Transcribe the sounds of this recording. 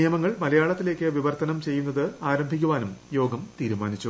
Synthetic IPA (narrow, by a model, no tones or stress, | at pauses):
ijɐmɐŋːɐɭmɐlɐjaːɭɐt̪ːile̞ːkʲːɨʋiʋɐrt̪ɐnɐmt͡ɕe̞jːunːɐðɨaːɾɐmbʱik̬ʲːuʋaːnumjo̞ːɡɐmt̪iːɾumaːnit͡ɕːu